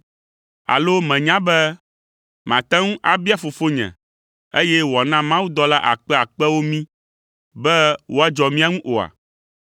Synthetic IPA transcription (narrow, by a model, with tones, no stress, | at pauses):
a̰˨lo˦mɛ̃˨ɲã˦bɛ˦ | mã˨t̪a˦ŋũ˦ʔa˨bi˦a˦fo˨fo˦ɲɛ̰̃˨ | e˦jɛ˦wɔ˨nã˦mã˦wu˦d̪ɔ˦la˦ʔa̰˨k͡pɛ˦a˨k͡pɛ˦wo˦mĩ˦ | bɛ˦wʔo˦a˦d͡ʒɔ˨mĩ˦a˦ŋũ˦ʔo˨a̰˨